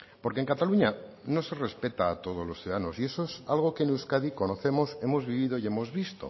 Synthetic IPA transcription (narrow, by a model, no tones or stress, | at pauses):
poɾkeŋkat̪aluɲa | no̞se̞re̞spe̞t̪aːt̪o̞ð̞olo̞sθjuðaðanosie̞soesalɣ̞o̞kenewskaðiko̞no̞θe̞mo̞se̞mo̞zβiβ̞iðo̞ie̞mo̞zβist̪o̞̰